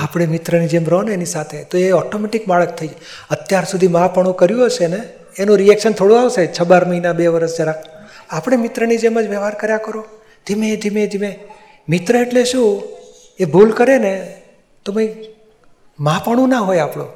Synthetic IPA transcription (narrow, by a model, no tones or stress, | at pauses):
apɽ̃emɪt̪ɾənid͡ʒemɾonenisat̪ʰet̪oeɔʈomeʈikmaɭək̚t̪ʰəi | ət̪jaɾsud̪ʱimãpəɽ̃ũkəɾjũɦəʃeneː | nũɾiɛkʃənt̪ʰoɽũaʋset͡ʃʰəbaɾməɦinabeʋəɾəsd͡ʒəɾaapəɽ̃emɪt̪ɾənid͡ʒeməd͡ʒʋəʋaɾkəɾjakəɾo | d̪̥ʱimẽd̪ʱimẽd̪ʱimẽ | mɪt̪ɾəeʈleʃũ | ebʱulkəɾene | t̪omãi | mãpəɽ̃ũnaɦojapɽõ̰